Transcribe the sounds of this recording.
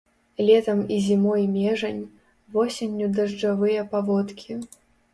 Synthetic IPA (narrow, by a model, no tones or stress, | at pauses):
lʲɛt̪ɐmizʲimɔjmʲɛʐɐnʲ | vɔsʲenʲːud̪ɐʐd͡ʐavɨjɐpavɔt̪kʲʰi